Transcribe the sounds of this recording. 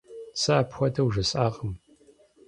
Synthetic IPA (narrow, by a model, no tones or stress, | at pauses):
saːpxʷɔdʰɐwʒɨsʼaːʁəm